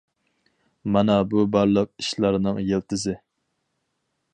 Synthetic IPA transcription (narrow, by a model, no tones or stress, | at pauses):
mɑnɑbubɑɾlˠəq̚iʃlˠɑɾnɨŋjelt̪ɪzɪ